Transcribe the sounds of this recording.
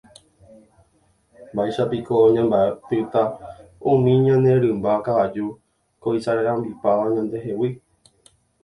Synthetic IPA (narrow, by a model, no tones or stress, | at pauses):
baʃapiko̞ɲãmbaepɨt̪aũmĩɲãnẽ̞ɾɨ̃mbakaʋad͡ʒu | koisaɾeɾãmbipaʋaɲãnd̪e̞ɦe̞wi